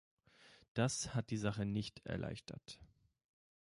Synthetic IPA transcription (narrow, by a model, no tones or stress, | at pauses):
d̥ashat̚d̥iːzaχənɪçtɛ̰ɐlʔa̰ɪçtʰɐ̰t